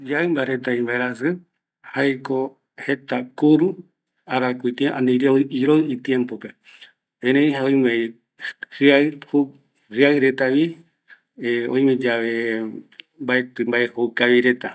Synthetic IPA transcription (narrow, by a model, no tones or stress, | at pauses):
d͡ʒaɨmbaɾe̞t̪aimbaeɾasɨ | hajko | he̞t̪akuɾu | aɾakuit̪iʔa̰nĩɾeoiɾojit̪jempope̞ | ẽɾẽj̃ɦaojme | hɨahu | hɨaɨɾe̞t̪aβi | õĩj̃mẽd͡ʒaʋe | mbaet̪ɨmbaʔehowkaβiɾe̞t̪a